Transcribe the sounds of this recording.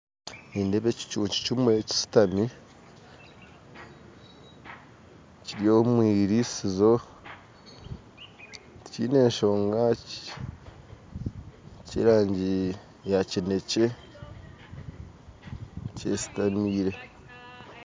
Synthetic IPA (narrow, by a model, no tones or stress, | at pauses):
niːndeβeci̥t͡ʃuːɲci̥cumueci̥si̥tami | ciɾio̞ːmwiːɾisizo̞ | ciːne̞ːɲʃo̞ːŋɡac | cḭɾaːɲɟi | jacine̞ce̞ | cesi̥tamiːɾe̞